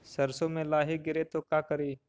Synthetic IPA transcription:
sɐɾsõmẽlaːɦiɡɪɾet̪okjaːkəɾiː

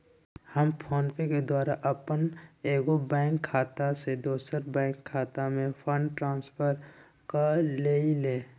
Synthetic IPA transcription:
həmpʰoːnpẽked̪waːɾaʔəpəneːɡobɛ̃ːŋkʰːaːt̪ased̪oːsəɾbɛ̃ːŋkʰːaːt̪amẽpʰə̃ɳɖʈɾãːnspʰəɾ | kaleːileː

